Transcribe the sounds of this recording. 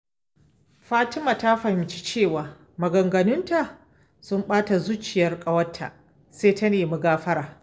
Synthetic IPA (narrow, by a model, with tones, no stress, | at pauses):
ɸaː˦tɪ˦maː˨ta˦ɸɐ˨hɪ˨mt͡ʃi̥˦t͡ʃeː˦˨waː˨ | mɐ˨ɡɐ˨ŋɡɐ˨nɪ˦nta˨ | sʊ˦mɓaː˦ta˨zu˦t͡ʃɪ˨jɐ˦rkʼɐ˦wɐ˦tʰːa̰˨ | seː˦tɐ˦neː˨mʊ˦ɡaː˦ɸɐ˦ɾaː˨